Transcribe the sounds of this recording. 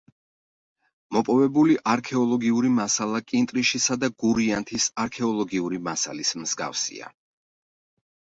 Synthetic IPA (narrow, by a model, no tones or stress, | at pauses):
mɔpʼɔvɛbuliʔaɾkʰɛɔlˠɔɡiuɾimasalˠakʼint̪ʼɾiʃisad̪aɡuɾiant̪ʰisaɾkʰɛɔlˠɔɡiuɾimasa̰lismz̥ɡa̰fsḭa̰